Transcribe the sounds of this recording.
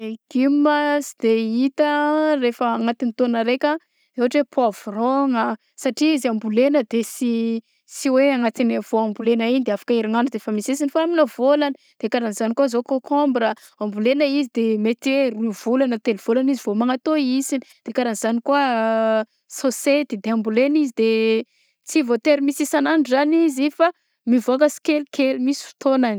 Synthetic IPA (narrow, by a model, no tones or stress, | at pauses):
eɡ̥imːasd̪eit̪ərefəːŋat̪init̪onəɾekʲa | ewaʈ͡ʂwepʰavroŋə | saʈ͡ʂiiziambulenəd̪esi | siweaŋat̪inav̥oambulenainid̪eafḁkaiɾaŋanɖ͡ʐud̪efamisesinifaaminovolanə | d̪̥eakaɾanizanikuazokokʰombɾə | ambulenəizid̪emet̪weɾunv̥ulanət̪eliv̥olanizivomaŋat̪oisinid̪̥ekaɾaniz̥anikuə | soset̪id̪eambulenizid̪e | t͡sivot̪eɾimisisananzanizifa | mivokəsi̥kelkʰelimisi̥fi̥t̪onani̥